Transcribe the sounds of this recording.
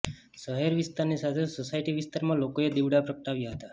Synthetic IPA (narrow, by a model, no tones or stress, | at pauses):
səɦeɾʋist̪aɾnisat̪ʰesosaiʈiʋɪst̪aɾmãlokoed̪iʋɽapɾək̚t̪aʋjaɦət̪a